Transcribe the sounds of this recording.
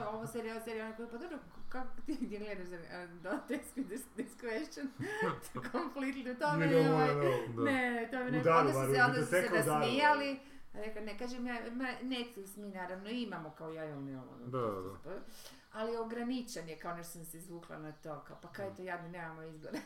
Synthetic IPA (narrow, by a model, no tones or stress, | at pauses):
oʋoseɾioseɾijonɾekopad̪obɾokakot̪id̪iɡled̪aʃzad̪ot̪ekskid̪isd̪iskɾeʃont̪kʰonflikt̪linut̪omeoajnet̪omend̪aoeod̪ssɾaamijali | ɾeklanekaːʒemjamanet̪usminaːɾaʋnoimamokaojajolniolo̰no̰d̪zapa | alijoɡɾanit͡ʃanjekaoneʃt̪o̥samseizʋuːklˠa̰nat̪o̞kaopakajet̪ojad̪nonemamoizboɾe